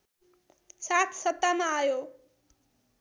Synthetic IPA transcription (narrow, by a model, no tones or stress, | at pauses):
sat̪ʰsʌt̪ːamaːjo